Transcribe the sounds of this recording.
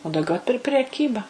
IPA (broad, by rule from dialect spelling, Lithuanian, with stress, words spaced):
oː dɐʊˈɡʲɛʊ pʲɪr pʲɛr pʲrʲɛˈkʲiːbɐ